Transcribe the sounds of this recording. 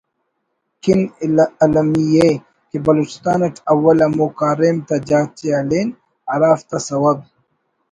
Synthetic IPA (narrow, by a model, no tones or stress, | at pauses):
kinɐlɐmije | kebɐlut͡ʃi̥st̪aːnɐʈɐwːɐlɐmoːkaːɾeːmt̪ɐd͡ʑaːt͡ʃeɐleːn | ɐɾaːft̪ɐsɐwɐb̚